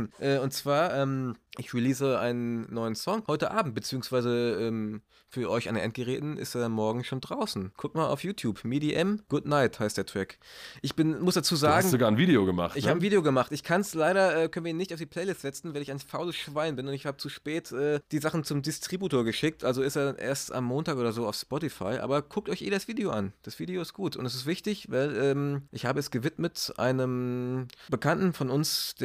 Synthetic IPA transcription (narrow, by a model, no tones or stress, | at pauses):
ʔɛːʊntt͡sv̥aːɐʔɛːmʔɪçʁiliːsəʔa̰ɪnənnːɔʏənsɔŋhɔʏtəʔa̰ːbm̩t̚bət͡siːʊŋsv̥aɪzəʔɛːm | fyːɐɔʏçʔandeɐʔɛnt̚ɡ̥əʁɛːtn̩ʔɪ̰steːmɔɐɡŋ̩ʃoːndʁaʊsn̩kʰʊk̚tmaːla̰ʊfjuːtʰjuːpmidiʔɛmɡ̥ʊdnaɪthaɪstd̥eːɐtʁ̥ɛk | ʔɪçb̥ɪnmʊsd̥at͡suːzaːɡŋ̩zoɡaːɐnviːdeoɡəma̰χtʔɪçhaːbənviːdeoɡəmaχtɪçkʰanslaɪɾɐʔɛːkʰœnviɐiːnɪçtaʊfd̥ipʰl̥ɛɪlɪstz̥ɛt͡sn̩vaɪlɪçaɪnfaʊləsʃv̥aɪnbɪnʊntɪçhaːbət͡suʃpɛːtʔɛːd̥iːzaχn̩t͡sʊmdɪstʁ̥ibuːtoːɐɡəʃɪk̚tʔalzoɪsteːɐdanʔḛːɐsta̰mːoːntaːkoːdɐzoːa̰ʊfspɔtifa̰ɪʔa̰ːbɐkʰʊk̚tɔʏçʔḛːdasv̥iːdeoʔa̰nd̥asv̥iːdeoɪst̚ɡ̥uːtʊ̰ntɛs̬ɪstv̥ɪçtɪçvaɪlʔɛːmʔɪçhaːbəɛsɡ̥əvɪtmətʔa̰ɪnəm | b̥əkʰantn̩fɔnʊnsd̥